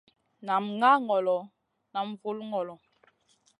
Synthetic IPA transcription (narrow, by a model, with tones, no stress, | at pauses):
na˨mŋa˦ŋɔ˨lɔ˨ | na˨mvu˦lŋɔ˨lɔ˨